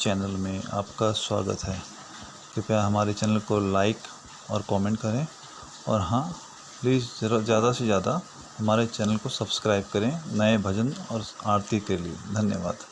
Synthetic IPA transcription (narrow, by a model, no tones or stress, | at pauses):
t͡ʃɛːnəlmẽa̰ːpkaswa̰ːɡə̰t̪ɦɛː | kipjaɦɐmaːɾet͡ʃɛːnəlkolaːɪk | ɔːɾkɔːmẽːɳʈkɐɾẽ | ɔ̰ːɾɦã | liːsd͡ʒjaːd̪asezjaːd̪a | hɐmaːɾet͡ʃɛːnəlkosɐbskɾaːɪb̚kɐɾẽnɐebʱɐd͡ʒənɔːɾaːɾt̪ik̪elied̪ʱɐnjəʋa̰ːd̪